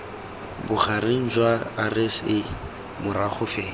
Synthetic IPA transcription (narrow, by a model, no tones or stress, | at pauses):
bʊχarɪn̩d͡ʒwaːresɪ | mʊɾaχʊfɛː